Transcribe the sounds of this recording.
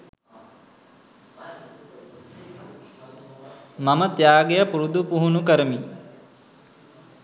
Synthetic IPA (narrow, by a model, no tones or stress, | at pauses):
mamət̪jaːɡejəpuɾud̪upuɦunukəɾəmi